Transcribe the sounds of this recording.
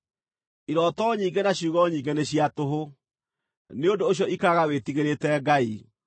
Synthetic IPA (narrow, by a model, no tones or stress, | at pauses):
iɾɔːtɔɲiːŋɡɛnaɕuːɣɔɲiːŋɡeneɕiatoɦo | neondoːɕjɔʔikaɣawetiɣeɾetɛɡai